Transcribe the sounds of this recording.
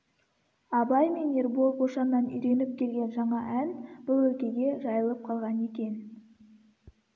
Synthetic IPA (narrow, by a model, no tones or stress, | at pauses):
ɑbɑjmenerboboʃɑmænʏjɾe̞nɪp̚kʲʰe̞lɡʲe̞nʒɑɴɑʔænb̥ʊlˠɵkʲe̞ɡʲe̞ʒɑjəlˠəp̚qʰɑlˠʁɑne̞kʲe̞n